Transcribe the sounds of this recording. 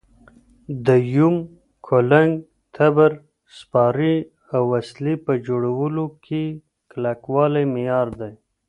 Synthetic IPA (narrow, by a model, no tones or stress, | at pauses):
d̪əjum | kʰolaŋɡ | t̪ʰabəɾ | spɑɾi | awwaslipəd͡ʒoɽawəlokʰe | klakwɑlajmijɑːɾd̪aj